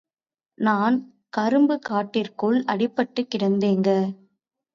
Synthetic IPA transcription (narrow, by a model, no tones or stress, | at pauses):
naːn | kɐɾɯmbɯkaːʈːɪrkɯɭɐɽɪpːɐʈːɯkːɪɽɐnd̪eːŋɡɐ